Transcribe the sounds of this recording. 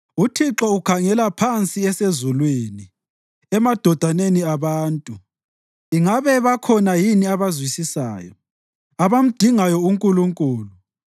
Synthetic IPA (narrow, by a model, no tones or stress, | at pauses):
utʰiǁɔukʰaŋɛlapʰant͡sʼiɛsezulweni | ɛmad̥ʱɔd̥ʱaneniaβaːntʼu | iŋaβɛβakʰɔnajiniaβazwisisa̰ːjɔ | aβam̩d̥ʱiŋajɔuŋkʼuluŋkʼuːlu